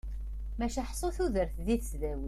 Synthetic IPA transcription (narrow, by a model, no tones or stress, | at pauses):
mæʃæħsˤoθuðəɾθðiθsðæwə